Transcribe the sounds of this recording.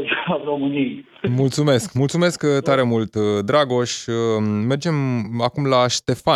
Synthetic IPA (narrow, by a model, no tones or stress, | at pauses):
aromɨnij | mult̪sume̞skmult̪sume̞skt̪aɾe̞mult̪d̪ɾaɡo̞ʃʲ | me̞rd͡ʒe̞makumlaʃt̪e̞fa